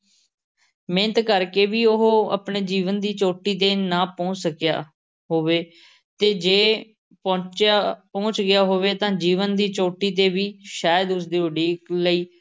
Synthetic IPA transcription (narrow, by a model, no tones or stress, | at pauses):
mẽnt̪kəɾkeːʋiːʊɦoə̰pɳeːd͡ʒiːʋənd̪iːt͡ʃoːʈiːd̪eːnãːpɔ̃ːt͡ʃsəkja̰ː | ɦoːʋeː | t̪eːd͡ʒeː | pɔ̃ːt͡ʃaːpõːt͡ʃɡɪjaːɦoːʋeːt̪ãːd͡ʒiːʋənd̪iːt͡ʃoːʈiːd̪eːʋiːʃaːjəd̪ʊsd̪iːʊɖiːkləiː